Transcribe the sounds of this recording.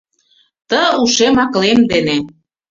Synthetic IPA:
t̪əuʃemɑklemd̪ene

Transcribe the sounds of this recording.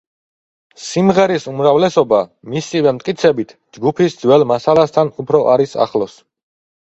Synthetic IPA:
simʁɛɾisumɾavlɛsɔbamisivɛmt̪ʼkʼit̪sʰɛbit̪ʰ | d͡ʒɡupʰisd̪zwɛlˠmasalast̪ʰanupʰɾɔʔaɾisa̰χlˠɔs

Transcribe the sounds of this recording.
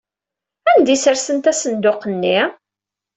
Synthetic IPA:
ænd̪isəɾsənt̪æsənd̪ʊqənːi

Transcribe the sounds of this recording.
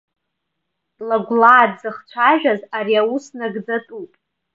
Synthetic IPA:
laɡʷlaːdzɨχt͡ʃʷʰaʒᶣazaɾiawusnaɡd͡zatʼupʼ

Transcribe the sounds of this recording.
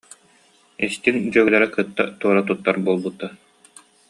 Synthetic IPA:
ist̪ind͡ʑœɡɯlɛɾɛkɯt̪ːa̰t̪uɔɾat̪ut̪ːaɾbuɔlˠbut̪ːa

